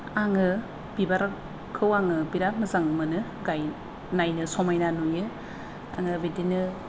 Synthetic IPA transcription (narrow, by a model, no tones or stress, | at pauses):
aŋɯ | b̥ibaɾ | kʰɯwaŋɯbiɾap̚mɯzaŋmɯnɯ | ɡaj | najnɯsɔmajnanujɯ | a̰ŋɯbedinɯ